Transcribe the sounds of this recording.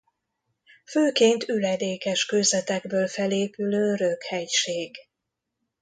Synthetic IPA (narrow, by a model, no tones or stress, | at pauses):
føːkeːnt̪ylɛd̪eːkɛʃkøːzɛt̪ɛɡbøːlfɛleːpyløːɾøkhɛjʃeːɡ